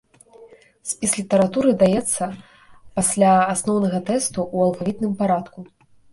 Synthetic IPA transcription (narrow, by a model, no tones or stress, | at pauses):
sʲpʲislʲit̪ɐɾat̪uɾɨd̪ajɛt̪sːɐ | pasʲlʲaːsnɔwnɐɣɐt̪ɛst̪uːɐlˠɣavʲit̪̚nɨmpaɾat̪ku